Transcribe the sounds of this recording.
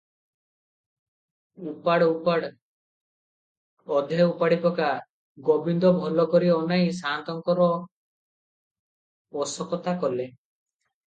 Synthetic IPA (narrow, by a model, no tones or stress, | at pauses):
upaɽupaɽ | ɔd̪ʱeupaɽipɔka | ɡɔbind̪ɔbʱɔlɔkɔɾiɔnajsaːnt̪ɔŋkɔɾɔ | ɔsɔkɔt̪akɔle